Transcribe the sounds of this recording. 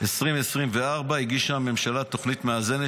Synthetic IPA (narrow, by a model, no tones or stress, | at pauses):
esʁimesʁimveaʁbaiɡiʃamːe̞mʃalat̪o̞χnit̪meaze̞ne